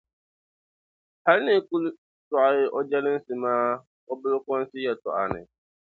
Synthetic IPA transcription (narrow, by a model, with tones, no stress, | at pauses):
ha˦lɪ˦nɪ̃˨ku˦l | tʊ˨a˨jɪ˦ʔɔ˦d͡ʒɛ˦lɪ̃˦n̩˦sɪ˨mãː˦ | ɔ˦bɪ˦lʊ˦kɔ̃˦n̩˦sɪ˦jɛ˨tʰʊ̰˨a˨nɪ̰̃˨